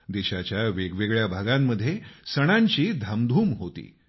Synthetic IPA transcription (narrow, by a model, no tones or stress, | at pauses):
d̪eɕat͡ɕjaʋeɡʋeɡɭjabʱaɡamːəd̪ʱːjesəɽ̃aɲt͡ɕiːd̪ʱamd̪ʱuːmɦot̪ḭː